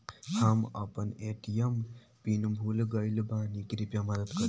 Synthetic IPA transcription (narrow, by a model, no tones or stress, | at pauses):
hamə̰pəneʈijəm | pinbʱulɡəjlbãnikɾipjamʌd̪əd̪kə